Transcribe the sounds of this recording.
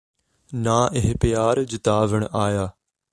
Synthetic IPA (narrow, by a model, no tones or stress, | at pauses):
naːʔɪɦɪpɪjaːɾd͡ʑɪt̪aːʋəɽ̃ʔaːjaː